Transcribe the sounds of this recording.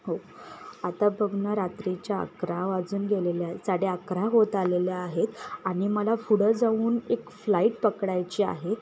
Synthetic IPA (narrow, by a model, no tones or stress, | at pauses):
ɦo | at̪abʱəɡʱnəɾat̪ɾit͡ɕjaə̰kɾaʋad͡zuːnɡʱeleljaɦesaɽeəkɾaɦot̪aleljaːɦet̪aɽ̃iməlafuɽəd͡zauːnekflaiʈ̚pəkɽajt͡ɕia̰ɦe